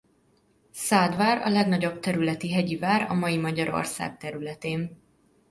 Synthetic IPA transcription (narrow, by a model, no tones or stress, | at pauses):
saːd̪vaːɾɒ̰lɛɡnɒɟo̞bt̪ɛɾylɛt̪iɦɛɟivaːɾɒmɒjimɒɟɒɾo̰rsa̰ːkt̪ɛɾylɛt̪eːn